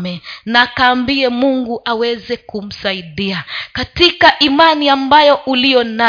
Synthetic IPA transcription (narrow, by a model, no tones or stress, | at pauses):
mɛnaːkaːmbiɛmuŋɡuʔawɛzɛkum̩saiɗiakatikaʔimaniambajɔʔulijɔna